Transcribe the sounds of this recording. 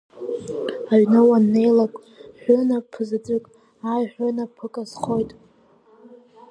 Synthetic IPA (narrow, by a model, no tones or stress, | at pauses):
aɥnɨwanːejlakʷʼ | ħʷᶣʊnapʰɨzd͡zʷʼɨkʼ | ajħʷᶣanapʰɨkʼazχo̞jtʼ